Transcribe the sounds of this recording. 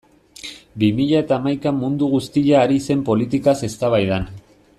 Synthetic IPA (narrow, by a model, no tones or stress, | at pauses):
bimiʎae̞t̪aːmajkamund̪uɣust̪iʎaːɾise̞mpo̞lit̪ikase̞st̪aβ̞ajðan